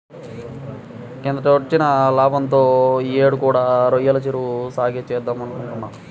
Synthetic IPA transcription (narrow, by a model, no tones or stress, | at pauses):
kend̪ɐot͡ʃinɐlaːbɐnt̪o̞ːieːɽukuːɽaːɾojɐlɐt͡ʃiɾusaːɡit͡ʃɛːd̪ːamɐnukuɳʈunːaː